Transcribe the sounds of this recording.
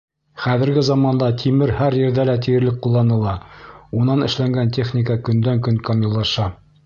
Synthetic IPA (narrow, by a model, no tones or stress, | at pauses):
χæðɘ̆ɾɡɘzɑmɑnd̪ɑt̪ʰʲimɘɾhæɾjɘ̆ɾðælæt̪ijɘ̆ɾlɘk̚qːulˠːɑnɤlˠɑunɑnɘ̆ʃlæŋɡænt̪ʲe̞χnʲikəkɵ̆nd̪æŋkɵŋkomʲilˠːɑʃɑ